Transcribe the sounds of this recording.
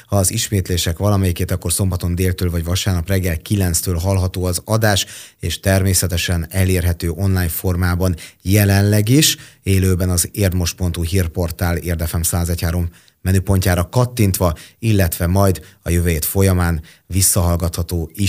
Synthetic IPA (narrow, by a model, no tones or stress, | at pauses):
hɒːziʃmeːt̪leːʃɛkʋɒlɒmɛjikeːt̪ɒkːo̞rso̞mbɒt̪o̞nd̪eːlt̪øːlvɒɟvɒʃaːrnɒprɛɡːɛlkilɛnst̪øːlɦɒlɦɒt̪oːɒzɒd̪aːʃeːʃt̪ɛrmeːsɛt̪ɛʃɛnɛleːrɦɛt̪øːʔo̞nlaːjnfo̞rmaːbɒnjɛlɛnlɛɡiʃeːløːbɛnɒzeːrd̪mo̞ʃpo̞nt̪uɦiːrpo̞rt̪aːleːrd̪ɛfɛmsaːzɛchaːɾo̞mː | ɛnypo̞ɲcaːɾɒkɒt̪ːint̪ʋɒilːɛt̪ʋɛmɒjd̪ɒjøvøjeːt̪fo̞jɒmaːn | visːɒɦɒlɡɒt̪hɒt̪oːi